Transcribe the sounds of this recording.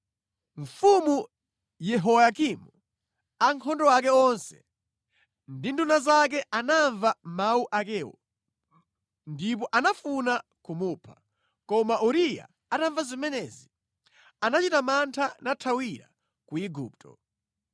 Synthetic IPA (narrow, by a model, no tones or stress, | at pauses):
ɱfumu | jɛɦɔwakimu | aŋkʰɔndɔwak̬ɛɔnsɛ̥ | ndindunazak̬ɛanaɱvamawuʔakɛːwɔ̰ | ndip̬ɔʔanafuna | kumupʰḁ | kɔmaʔuɾija̰ | ataɱvazimɛnɛzi | anat͡ʃitamantʰanatʰawiɾa̰ | kuiɡuːp̚tʰɔ̰